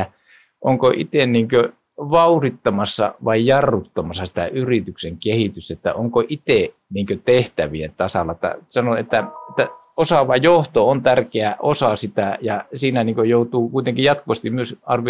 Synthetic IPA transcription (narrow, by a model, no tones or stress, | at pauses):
æ | ʔoŋkoʔḭt̪enniːŋkø | ʋɑurit̪ːɑmɑsːɑ̰ʋɑijjɑrːut̪ːɑmɑsːɑsi̥t̪æ̰ʔyrit̪ykseŋkehit̪yst̪æet̪ːæ̰oŋkoʔit̪e | niːŋkøt̪eht̪æʋiet̪ɑsɑlːˑɑet̪ːæ̰sɑnoet̪ːæet̪ːæ | osɑʋɑjoht̪oont̪ærkeæʔosɑsit̪æjɑsiːnæniːŋkøjout̪uːkuit̪eŋkijɑt̪kuʋɑst̪imyøsɑrʋi